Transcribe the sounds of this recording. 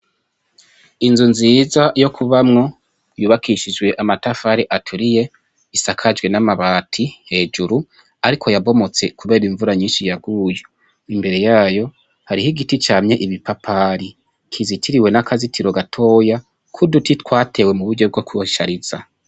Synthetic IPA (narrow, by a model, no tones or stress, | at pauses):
inzunziːzajo̞kʰuβamŋo̞ | juːβakʰiʃid͡ʒwe̞ʔamatafaɾiʔatʰuɾije̞ | isakʰad͡ʒɡwe̞namaβaːtʰihe̞ːd͡ʒuɾu | aɾikʰo̞jaβo̞mo̞t͡se̞kuβe̞ːɾiɱvuɾaɲiːnʃijaɡuːjo | imbe̞ɾe̞jaːjo̞ | haɾihiɡitit͡ʃaːmɲeʔiβipapʰaːɾi | kʰizitʰiɾiwe̞nakʰazitʰiɾo̞ɡatʰo̞ːja | kʰudutitkwaːtʰe̞we̞muβuɟo̞b̚ɡokuʃaɾiz̥a